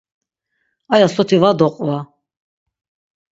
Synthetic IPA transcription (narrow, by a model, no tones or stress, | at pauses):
ajasɔt̪ʰivad̪ɔqʼva